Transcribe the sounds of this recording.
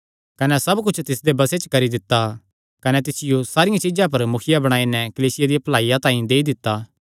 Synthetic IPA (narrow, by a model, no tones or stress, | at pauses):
kɐnɛsɐbkʊt͡ʃʰt̪ɪsd̪ebɐset͡ʃkɐɾid̪ɪt̪ːa | kɐnɛt̪̬ɪsɪjosaːɾɪjãt͡ʃɪd͡ʒãp̬ɐɾmʊkʰɪjabɐɽ̃aːinɛkɐliːsɪjad̪ijɐplaːijãt̪ãːĩd̪eːid̪ɪt̪ːaː